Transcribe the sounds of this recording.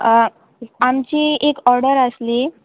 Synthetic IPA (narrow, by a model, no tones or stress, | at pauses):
amt͡ɕiːekɔɾɽəɾəsli